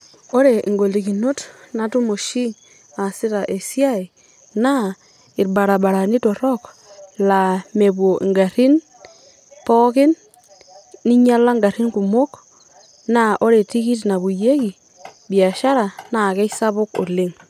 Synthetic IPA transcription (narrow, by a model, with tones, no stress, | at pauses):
o˦ɾe˨ʔŋɡo˨ldi˨ki˨no˦tna˦tu˦mo˨ʃi˦ŋ | a˨sɪ˦ta˨ʔe˨sja˦i˨ | na˦ | ɪ˨ɾba˨ɾa˨ba˨ɾa˨ni˦tɔ˨ɾɔ˦k | la˨me˨bwo˨ʔŋɡa˨ɾɪ˦n | pɔ˦kɪ˦n | ni˦ɲa˦la˦ŋɡa˨ɾi˦nku˨mo˦k | na˦ʔo˦ɾe˨ti˦ki˦tna˨bu˨je˦ki˨ | bi˨a˨ʃa˦ɾa˨na˨kɛ˦sa˦bʊ˦ko̰˨lɪ˦ŋ